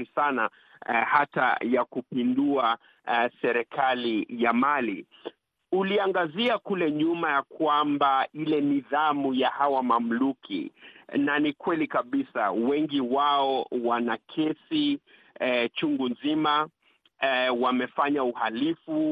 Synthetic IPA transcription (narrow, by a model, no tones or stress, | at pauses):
isana̰ | hata̰jakupindua | sɛɾɛkalijamalḭ | uliaŋɡaziakulɛɲumajakwambailɛniðamujahawamam̩lukʰḭnanikwɛlikaɓisa̰wɛŋɡiwaɔwanakʰɛsi | t͡ʃuŋɡunzima | wamɛfaɲauhalifu